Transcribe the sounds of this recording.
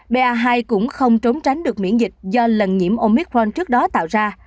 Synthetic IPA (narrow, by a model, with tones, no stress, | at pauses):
ɓe˧ʔaː˧ɦaː˧jkʊ̰˧˥ŋ͡mxə˧wŋ͡mt͡ɕo˨˦ŋ͡mt͡ɕa˨˦ŋ̟ɗɨ˨˩ək̚mḭ˧˥ənzï˨˩k̟̚zɔ˧lə˨˩nŋi˧˩əmʔo˧mi˦˥k̚ɔ˧nt͡ɕɨ˦˥ək̚ɗɔ˨˦t̪a̰ː˧˨wzaː˧